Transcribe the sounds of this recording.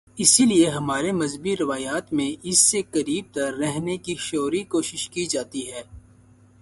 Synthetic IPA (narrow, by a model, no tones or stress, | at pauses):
ɪsilieɦɐmaːɾemɐzbiɾɪʋaːjaːt̪mẽʔɪsːekɐɾiːb̚t̪ɐɾːɛɦnekiʃoːɾikoːʃɪʃkid͡ʒaːt̪iɦɛː